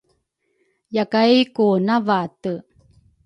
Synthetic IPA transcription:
jakajkunavatə

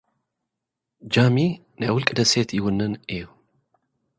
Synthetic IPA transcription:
d͡ʒami | nəwʊlkʼd̪əset̪ʰjɪhʊnːɨnʔeu

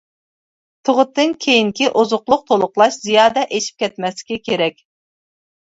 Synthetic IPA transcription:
t̪ʰoʁʊt̪ʰːɨnkʲʰejiŋkʲiʔozʊqlˠʊq̚t̪ʰolˠʊqlˠɑʃzijɑːd̪ɛʔeʃʰi̥p̚kʲʰɛt̪mɛslɪ̥kʲɛkʲʰeɾɛkʲ

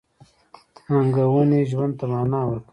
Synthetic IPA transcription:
aŋɡawuneʒwand̪̚t̪amaːnaːwək

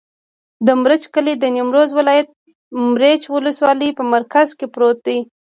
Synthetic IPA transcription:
d̪əmɾət͡ʃkəled̪ənimɾozwɪlɑjat̪̚ | mɾet͡ʃwʊləswɑləpəmaɾkazkepɾot̪̚d̪i

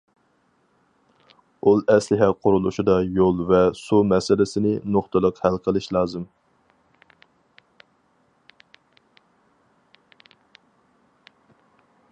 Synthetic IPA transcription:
ulˠɛslɪɦɛqʰʊɾulˠuʃid̪ɑjolˠvɛsumɛsɪlɪsɪnɪnoχt̪ʰɨlˠəqhælˠqʰəlˠɨʃlˠɑːzɨm

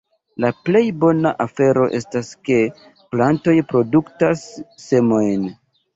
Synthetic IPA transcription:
laple̞jbo̞naʔafe̞ɾo̞ʔe̞staske̞ | planto̞jpɾo̞duktasːe̞mo̞jn

